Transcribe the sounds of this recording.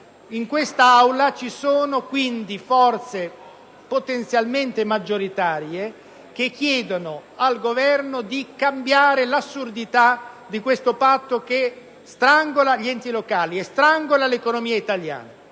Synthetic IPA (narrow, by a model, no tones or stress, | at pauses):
iŋkwest̪aawlat͡ʃisoːnokwind̪ifɔrt̪se | pot̪ent̪sjalment̪emad͡ʒːoɾit̪aːɾje | k̟ekʰːjɛːd̪onoalɡovɛrnod̪ikambjaːɾelasːurd̪it̪a | d̪ikwest̪opat̪ːoke | st̪ɾaŋɡolaʎiɛnt̪ilokaːliest̪ɾaŋɡolalekonomiːait̪alja̰ːna